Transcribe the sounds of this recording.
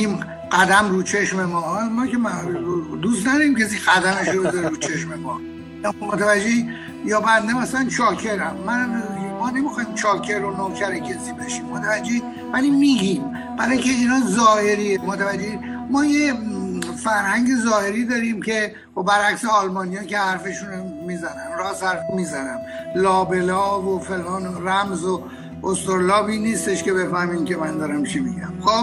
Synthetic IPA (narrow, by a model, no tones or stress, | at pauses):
im | ɢ̥æd̪æmruːt͡ʃʰe̞ʃmemɒːmɒːke | d̪ust̪næd̪ɒɾiːmcʲʰesiɡæd̪æmeʃɾobezɒɾeɾuːt͡ʃʰe̞ʃmemɒː | mot̪ʰævæd͡ʒːei | jɒːbæd̪nemæsælænt͡ʃʰɒːcʰe̞ɾæmːænmɒːne̞mixɒːjimt͡ʃʰɒːcʰeɾonocʰæɾecʰesiːbe̞ʃiːmːot̪ʰævæd͡ʒːei | væliːmiɡiːm | bæɾɒːjcʰe̞iːnɒːzɒːheɾiːemot̪ʰævæd͡ʒːeid̪ | mɒːje | fæɾhæŋɟezɒːhe̞ɾiːd̪ɒːɾiːmcʰe̞ | xobæɾækseɒlmɒːnijɒːcehæɾfe̞ʃuno | miːzænæmrɒːzhæɾfmiːzænæmlɒːbe̞lɒːvofelʔɒːnræmzo | ost̪oɾolɒːbiːniːst̪eʃke̞be̞fæhmiːmcʲemænd̪ɒɾæmt͡ʃʰimiɟæ̰mxo